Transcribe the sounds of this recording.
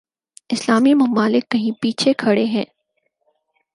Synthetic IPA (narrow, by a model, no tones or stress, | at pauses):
ɪslaːmimɐmaːlɪkːɐɦĩpiːt͡ʃʰekʰɐɽeɦɛ̃ː